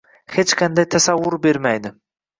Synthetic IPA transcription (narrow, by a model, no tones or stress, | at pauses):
het͡ʃkʰand̪ajt̪ʰasavːʊɾbe̞ɾmajd̪ɪ